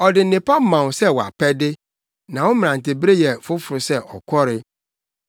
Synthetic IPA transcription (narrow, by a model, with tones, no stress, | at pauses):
ɔ˨dɪ˨n̩˦nɪ̃˨pa˦m̩˦mã˨wsɛ˦˨wɔ˨a̰˨pʰɛ˦dɪ˦ | nã˨wʊ̃˦m̃˨ã˨n˨tɪ˨bɾe˦jɛ˨fʊ˦fʊ˨ɾʊ˨sɛ˦ʔɔ̰˨kʰɔ˦ɾɪ˨